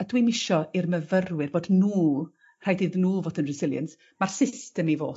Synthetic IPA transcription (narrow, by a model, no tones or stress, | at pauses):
ədwimɪʃɔirməvərwɨrboːdnuː | r̥aːjdɨðnuːvoːdənrɪsɪlˠjə̰ns | marsɪstɛmivo̰ː